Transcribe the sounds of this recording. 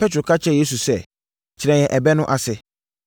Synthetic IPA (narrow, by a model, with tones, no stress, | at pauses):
pʰɛ˦tʰɾʊ˨kʰa˦t͡ɕʰɛ˦˨je˦s̬u˨sɛ˦ | t͡ɕʰɪ˨ɾɛ̃˨jɛ̃˨ʔɛ˨bɛ˦nʊ̃˦ʔa˨sɪ˨